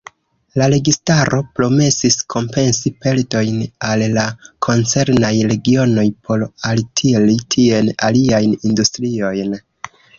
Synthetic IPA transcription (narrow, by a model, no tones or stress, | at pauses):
laɾe̞ɡistaɾʔo̞pɾo̞me̞siskʰo̞mpe̞nsipe̞ldo̞jnalːakʰo̞nt͡se̞ɾnajɾe̞ɡio̞no̞jpʰo̞ɾaltʰilitʰie̞na̰liajnindustɾio̞jn